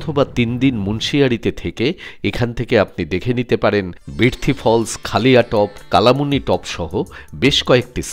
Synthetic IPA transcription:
t̪ʰobat̪ind̪inmunʃiaɾit̪et̪ʰekeekʰant̪ʰekeap̚nid̪ekʰenit̪epaɾenbɾiɾt̪ʰifʰɔlskʰaliaʈɔpkalamuniʈɔpʃɔɦobeʃkɔek̚ʈis

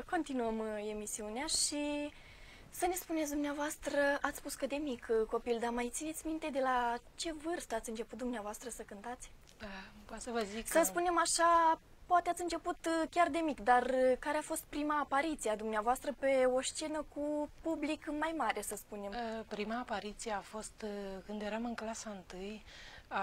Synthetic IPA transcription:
ko̞nt̪inuəme̞misiuneaʃi | səne̞spunet̪sʲd̪umneavoast̪ɾəat̪sʲpuskəd̪e̞mikko̞pild̪amajt̪sinet̪ʲmint̪e̞d̪e̞lat͡ʃe̞vɨrst̪əat̪sʲɨnt͡ʃe̞put̪̚d̪umneavoast̪ɾəsəkɨnt̪at̪sʲ | pasəvəziksəspune̞maʃa | poat̪eat̪sʲɨnt͡ʃe̞put̪kʲard̪e̞mikd̪arkaɾeafo̞st̪̚pɾimaːpaɾit̪siad̪umneavoast̪ɾəpe̞o̞ʃt͡ʃe̞nəkupublikmajmaɾe̞səspune̞mpɾimaːpaɾit̪sijeafo̞st̪kɨnd̪je̞ɾamɨŋklasəɨnt̪ɨja

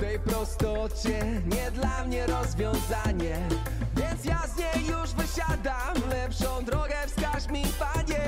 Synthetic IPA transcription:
t̪ɛjpɾɔst̪ɔt͡ɕɛɲɛd̪lamɲɛɾɔzvʲjɔ̃w̃zaɲɛ | vʲjent̪sjazɲɛjːuʂvɨɕad̪amlɛpʂɔ̃w̃d̪ɾɔɡɛfskaɕmʲifaɲɛ

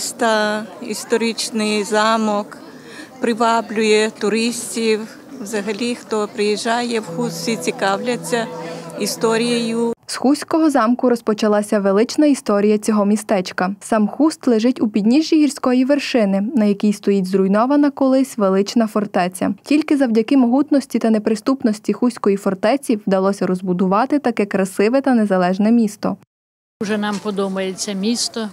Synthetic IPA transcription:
st̪ɑist̪ɔɾit͡ʃnɪjzɑmɔk | pɾɪʋɑblʲʊjɛt̪ʊɾɪsʲtʲiw | wzɐɦɐlʲixt̪ɔpɾɪjiʒːɑjɛwxust̪sʲit͡sʲikɑwlʲɐt͡sʲːɐist̪ɔɾʲijɐjʊsxusʲkɔɦɔzɑmkʊɾɔspɔt͡ʃɐlˠɑsʲɐʋelˠɪt͡ʃnɐist̪ɔɾʲijɐt͡sʲɔɦɔmʲist̪ɛt͡ʃkɐsɑmxust̪lˠeʒɪtʲupʲid̪ʲnʲiʒʲːiɦirʲsʲkɔjiʋerʃɪnɪnɐjɐkʲijst̪ɔjitʲzɾʊjnɔʋɐnɐkɔlˠɪsʲʋelˠɪt͡ʃnɐfɔrt̪ɛt͡sʲɐ̰tʲilʲkɪzɐwdʲɐkɪmɔɦut̪nɔsʲtʲit̪ɐnepɾɪst̪upnɔsʲtʲixusʲkɔjifɔrt̪ɛt͡sʲiwd̪ɐlˠɔsʲɐɾɔzbʊd̪ʊʋɑt̪ɪt̪ɐkɛkɾɐsɪʋɛt̪ɐnezɐlˠɛʒnɛmʲist̪ɔ | ʊʒɛnɑmpɔd̪umɐjet͡sʲːɐmʲist̪ɔ

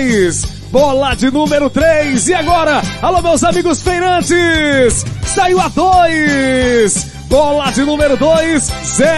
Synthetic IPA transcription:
s | bɔlad͡ʒɪnũmeɾʊt̪ɾejzɪaɡɔɾɐalomewzamiɡʊsfejnɐ̃d͡ʒɪsːaiwad̪oj | s | bɔlɐd͡ʒɪnũmeɾʊd̪ojszɛ

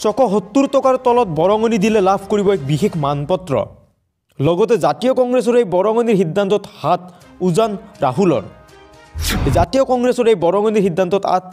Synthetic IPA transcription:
sɔkɔɦɔt̪ːuɾt̪ɔkaɾt̪ɔlɔt̪̚bɔɾɔŋɔnid̪ilelabʱkoɾibɔek̚bixekʰmanpɔt̪ɾɔ̰ | lɔɡɔt̪̬ed͡ʒat̪ijɔkɔŋɡɾes̬ɔɾejbɔɾɔŋɔniɾɦid̪ʱːant̪ɔt̪hat̪ | uzanɾaɦulɔ̰ɾ | ed͡ʒat̪ijɔkɔŋɡɾesɔɾejbɔɾɔŋɔniɾɦid̪ːant̪ɔt̪a̰t̪̚ʰ

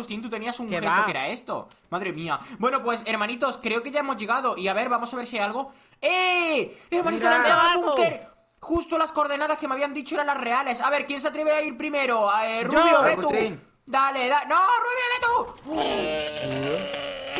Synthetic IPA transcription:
ust̪int̪ut̪e̞niasuŋxest̪okeeɾa̰e̞st̪o̞̰maðɾe̞miabwe̞no̞pwe̞se̞ɾmãnit̪o̞skɾe̞oke̞ʝae̞mo̞zʝe̞ɣaðo̞ʔiaβe̞ɾβamo̞saβe̞ɾsialɣo̞ | e | eɾmãnit̪onanauŋkeɾ | xust̪olaskoɾðe̞naðaskemeaβiand̪it͡ʃoeɾanlasre̞ale̞saβe̞ɾkjens̬at̪ɾe̞βeaiɾpɾime̞ɾoruβjoβet̪u | d̪ale̞ðanoruβoβet̪u

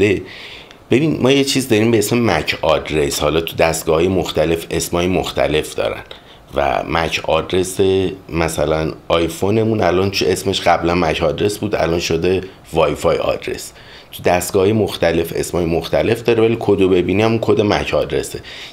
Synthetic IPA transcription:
e | b̥e̞binmɒːje̞t͡ʃʰiːzd̪ɒɾiːmbe̞esmemæcʰɒd̪ɾe̞shɒlɒːt̪ʰud̪æst̪ɡ̥ɒːhɒːjemoxt̪æle̞fe̞smhɒːjemoxt̪ʰæ̰le̞fd̪ɒ̰ɾæ̰n | væ̰mæcʰɒ̰ːd̪ɾe̞semæsælænɒjfone̞mũnælɒnt̪ue̞sme̞ʃɢæblænmæcʰɒːd̪ɾe̞sbuːd̪æ̰lɒnʃod̪e̞ | vɒːjfɒjɒ̰d̪ɾe̞̰s | t̪ʰud̪æst̪ɡɒhɒːjemoxt̪æle̞fe̞̰smhɒːjemoxt̪æle̞fd̪ɒːɾevælikʰod̪obe̞biːniæmunkʰod̪emæcʰɒːd̪ɾe̞̰se

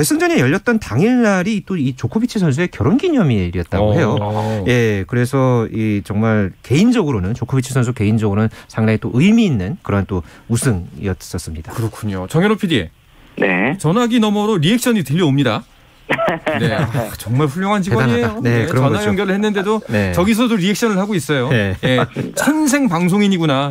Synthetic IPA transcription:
weɭs͈ʰɯŋd͡ʑʌɲejʌʎːʌt̚t͈ʌntaŋinːaɾit͈oit͡ɕokʰubit͡ɕʰisʰʌns̬ʰue̞kjʌɾonɡiɲʌmiɾjʌt̚t͈aɡoɦe̞joje̞kɯɾe̞sʰʌit͡ɕʌŋmaɭke̞ind͡ʑʌɡɯɾonɯnt͡ɕokʰubit͡ɕʰisʰʌns̬ʰukeind͡ʑʌɡɯɾonɯnsʰaŋdaŋit͈oʔɯimiːnːɯnkɯɾʌnt͈ousʰɯŋḭʌts͈ʌs͈ɯmɲid̥akɯɾʌkʰuɲot͡ɕʌŋjʌnopʰidie̞̰ | nḛt͡ɕʌnaɡinʌmʌɾoɾiɦe̞k̚ɕ͈ʰʌɲitɯʎːʌomɲida | neat͡ɕʌŋmaɭɸuʎjoŋɦant͡ɕiɡɲieaooneɯʌnajʌŋɡjʌɾɯɭhe̞nːɯnde̞donet͡ɕʌɡis̬ʰʌdoɾiɦe̞k̚ɕ͈ʌnɯɭhaɡois͈ʌjoeje̞t͡ɕʰʌns̬ʰe̞ŋpaŋs̬ʰoŋiɲiɡuna

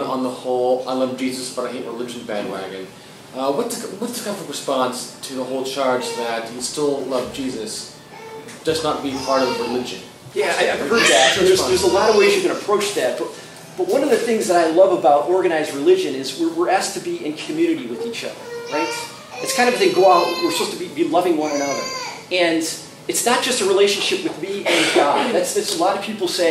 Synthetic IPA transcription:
nə̰̃n̩ðəhɔlˠaɪlˠʌvd͡ʒizɨsb̥ʌɾaɪɦeɪʔ̚ɹəlɪd͡ʒ̃n̩bæ̃nwæ̰ɡɨ̃n | ʌwʌt̚ɨwʌtʰɨkʌ̃vʌɹɨspɑ̃nstʰɨðəɦoʊlˠt͡ʃʰɑɹd͡ʒðɨtjistɪlˠlʌvd͡ʒizɨs | d̥ʌznət̚b̥ipʰɑɹɾʌvvɹɨlɪd͡ʒɨ̰̃n | jæaɪaɪvhɜ˞d̪ðætd͡ʒʌsðə˞zəlɔɾʌvweɪzjɨɡɨ̃ñəpʰɹ̥oʊt͡ʃðɨt̚b̥ʌt̚ | b̥ʌt̚wʌ̃nʌvðɨθɪ̃ŋzðəɾaɪlʌvəbaʊɾʔɔɹɡɨnaɪzɹilɪd͡ʒɨ̃nɪzwɪɹwɪɹæs̚tʰɨbiɪ̃nkʰm̩jʉñɨɾiwɨðit͡ʃʌ̰ðə̰˞ɹaɪt̚ | ɨtskʰãɪ̃ndʌɨɨ̃ŋɡoʊaʊt̚wə˞sə̥poʊstʰəbibilʌvɪ̃ŋwʌ̃nənʌðə̰˞ | ɨ̃n | ɨtsnət̚d̥ʒ̥ʌstəɹileɪʃɨ̃nʃɪpwɨðmiɨ̃nɡɑddðætsɨtsəlɑɾʌv̥pʰipl̩ˠseɪ

